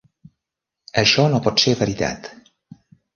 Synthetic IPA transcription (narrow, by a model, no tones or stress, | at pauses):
əʃɔnopɔt̪sevəɾit̪a̰t̪